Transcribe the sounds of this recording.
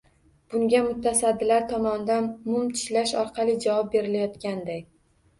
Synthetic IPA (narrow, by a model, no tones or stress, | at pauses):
b̥ʊŋɡʲamʊt̪ʰːasad̪ːɪlaɾt̪ʰɒmɒnd̪anmʊmt̪ʰɪ̥ʃlaʃɒɾqʰɑlˠɪd͡ʒavɒp̚be̞ɾɪlajɒt̪kʲand̪aj